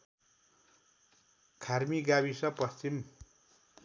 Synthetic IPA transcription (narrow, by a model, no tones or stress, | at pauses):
kʰarmiɡabisʌpʌst͡ɕim